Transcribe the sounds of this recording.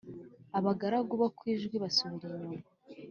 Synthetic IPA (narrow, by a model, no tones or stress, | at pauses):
aβaɡaɾaɡuβakwiːʒɡwiβasoβɾuno